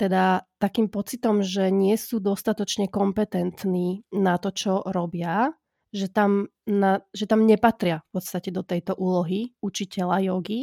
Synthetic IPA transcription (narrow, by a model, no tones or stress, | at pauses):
t̪ɛd̪at̪akiːmpɔt͡sit̪ɔmʒɛɲɪɛsuːd̪ɔst̪at̪ɔt͡ʃɲɛkɔmpɛt̪ɛnt̪niːnat̪ɔt͡ʃɔɾɔbɪa | ʒɛt̪am | naʒɛt̪amɲɛpat̪ɾɪafpɔt̪st̪acɛd̪ɔt̪ɛjt̪ɔʔuːlɔɦiut͡ʃicɛlajɔɡi